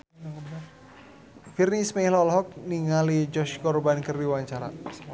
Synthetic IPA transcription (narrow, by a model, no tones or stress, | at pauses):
ŋ | firnismɛhlɔlɦɔk̚niŋalid͡ʒɔʃkɔrbankərdiwaɲt͡ʃaɾa